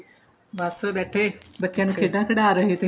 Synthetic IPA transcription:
bəsbɛːʈʰeːbətːʃjãːnũːkʰeːɖ̪ãːkʰəɽaːɾəɦeːt̪eː

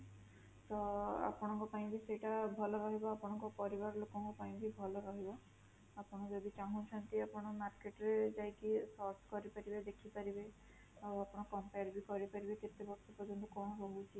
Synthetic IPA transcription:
t̪ɔa̰pɔɽ̃ɔŋkɔpaĩbiseʈabʱɔlɔɾɔɦibɔapɔɽ̃ɔŋkɔpɔɾibaɾɔlokɔŋkupaĩbibʱɔlɔɾɔɦibɔ | apɔɽ̃ɔd͡ʒɔd̪it͡ʃaɦɔ̃t͡ʃʰant̪iapɔɽ̃ɔmaɾkeʈɔɾed͡ʒajkisɔɾsʰkɔɾipaɾibed̪ekʰipaɾibe | awapɔɽ̃ɔ̃kɔmpejɾbikɔɾipaɾibet̪et̪ebɔɾsɔpɔɾd͡ʒɔnt̪ukɔɽ̃ɔɾɔɦut͡ʃʰi

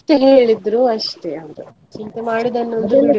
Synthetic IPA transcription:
ʈeɦe̞ːɭid̪ɾuɐʂʈeɐʋɾu | t͡ʃint̪emaːɽid̪ɐnːond̪u

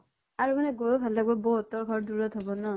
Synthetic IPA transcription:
aɹumanɛɡojobʱallaɡ̚bɔbɔɦɔtɔɹɡʱɔɹduɹɔtɦɔbɔnɔ

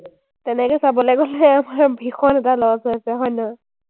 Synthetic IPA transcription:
tɛnɛkɛsabɔlɛɡɔlɛamaɹbʱixɔnɛtalɔasɔjasɛɦɔjnɔ

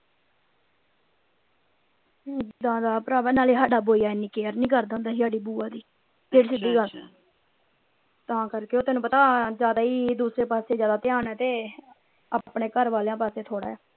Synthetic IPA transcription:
d͡ʒd̪ãːd̪aːpəɾaːʋəːnaːliːɦaːɖaːboːijaːɪnːĩːkeːəɾnĩːkəɾd̪aːʊnd̪aːɦɪaːɖiːbuːãːd̪iː | d͡ʒeːɽsɪd̪iːa | t̪ãːkəɾkeːoːt̪ɛːnũːpət̪aːd͡ʒjaːd̪aːiːd̪uːsɾeːpaːseːd͡ʒjaːd̪aːt̪ɪaːnɛːt̪eː | apɳeːkəɾʋaːlejãːpaːseːt̪ʰoːɽa̰ːjaː

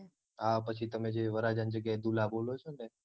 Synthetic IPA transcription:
ɦapət͡ʃʰit̪əmed͡ʒeʋəɾad͡ʒand͡ʒəɡjaed̪ulabolot͡ʃʰone

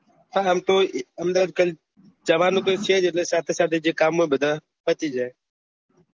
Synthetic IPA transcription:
t̪aːɦəmt̪oːəmd̪aːd̪̚kəl | d͡ʒəʋaːnoːkəseːd͡ʒeːleːsaːt̪ʰeːsaːd̪eːd͡ʒeːkaːmːẽːbəd̪aː | pət̪iːd͡ʒaː

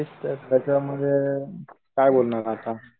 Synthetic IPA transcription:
ist̪t̪at͡ɕam̤əd̪ʱje | kajbolnaɾat̪a

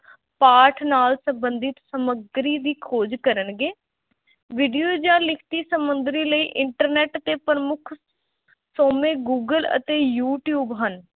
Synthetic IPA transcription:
paːɾʈʰnaːlsəmbənd̪ɪt̪səməɡɾiːd̪iːkʰoːd͡ʒkəɾəɳɡeː | ʋiːɖijoːd͡ʒãːlɪkʰt̪iːsəmʊnd̪ɾiːləiːʔɪɳʈəɾnɛːʈət̪eːpɾəmʊkʰ | soːmẽːɡuːɡələ̰t̪eːjuːʈjuːbɦən

